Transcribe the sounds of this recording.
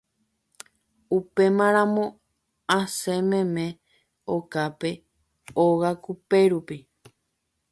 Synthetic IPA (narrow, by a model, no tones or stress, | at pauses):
upe̞mãɾ̃ãmõ̞ | ãsẽmẽ̞mẽ̞ | okape̞ | oɣakupe̞ɾupi